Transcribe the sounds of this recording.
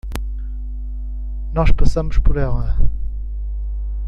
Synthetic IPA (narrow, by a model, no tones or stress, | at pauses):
nɔʃpɐsɐmʊʃpɔɾɛlˠɐ